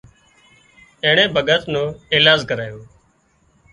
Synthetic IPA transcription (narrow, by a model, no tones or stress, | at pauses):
eːɳẽːbʱəɠət̪nõːeːlaːzkəɾaːjoː